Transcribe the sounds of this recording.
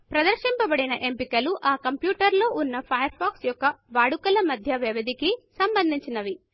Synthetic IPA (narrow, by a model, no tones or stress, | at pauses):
pɾɐd̪ɐɾʃimpɐbɐɽinɐʔempikɐluʔaːkɐmpjuːʈɐɾlo̞ːʔunːɐpʰɐjɐɾpʰaːksjɔkːɐʋaːɽukɐlɐmɐd̪ʱjɐʋeʋɐd̪ʱikisɐmbɐnd̪ʱiɲt͡ʃinɐʋi